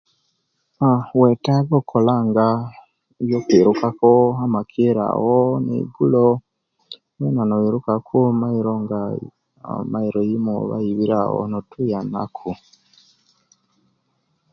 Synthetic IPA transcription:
awetaɡokʰolaŋɡa | jokwiɾukakoamakʰiɾa̰wonḛiɡulo | wenanoiɾukakʰumaiɾoŋɡa̰ | maiɾojimoβa̰iβiɾa̰wo̰notʰujana̰kʰu

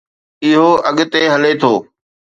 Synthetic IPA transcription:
ɪɦoːʔɐɠt̪eɦəlet̪ʰoː

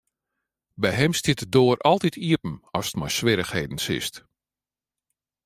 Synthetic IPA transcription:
bɛjɦɛmstjɪtdoːɾɔlˠtitʰiəpn̩ɔsə̥tmɔjsʋɪɾəxheːdən̩sɪ̰st

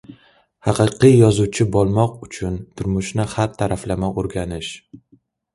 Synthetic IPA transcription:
hɑqʰɨqʰɨjjɒzuwt͡ʃʰɪbɒlˠmɒqʊt͡ʃʰʊnt̪ʰʊɾmʊʃnɪhaɾt̪ʰːaɾaflamaʔoɾɡʲanɪʃ

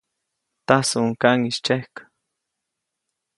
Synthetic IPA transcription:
t̪asuŋkaŋiʃt͡ʃehkḁ

